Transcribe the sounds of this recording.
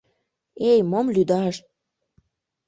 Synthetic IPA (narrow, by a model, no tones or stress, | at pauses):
ejmomlyd̪ɑʃt̪̚